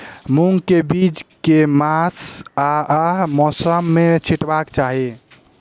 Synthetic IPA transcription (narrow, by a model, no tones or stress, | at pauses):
muŋɡkebid͡ʒkemasaəmɔsəmːet͡ʃʰiʈbakt͡ʃaɦi